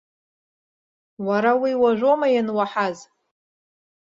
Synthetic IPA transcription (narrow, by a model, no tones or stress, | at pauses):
waɾawiwaʒʷo̞majanwaħaz